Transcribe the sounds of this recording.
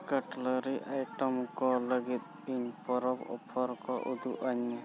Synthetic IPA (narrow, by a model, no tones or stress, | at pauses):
kəʈləɾiʔajʈɔmkɔləɡit̪̚ | iɲpɔɾɔbɔ̰pʰɔɾkɔʔud̪uʔaɲːɛ